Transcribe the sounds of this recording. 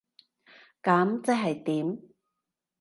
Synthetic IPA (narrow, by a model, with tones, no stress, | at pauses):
kaː˨˥mt͡sɛ˥k̚ɦɐ˨jt̪iː˨˥m